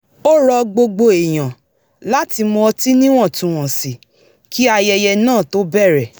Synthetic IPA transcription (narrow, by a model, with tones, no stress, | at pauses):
o˦ɾɔ˧ɡ͡bo˧ɡ͡bo˧e˨j̃ã˨ | la˨˦ti˧mɔ̃˧ɔ˧ti˦nĩ˦w̃ɔ̃˦˨tũ˨w̃ɔ̃˨si˨ | kʰi˦a˧jɛ˧jɛ˧nãː˦˨to˦bɛ˦˨ɾɛ˨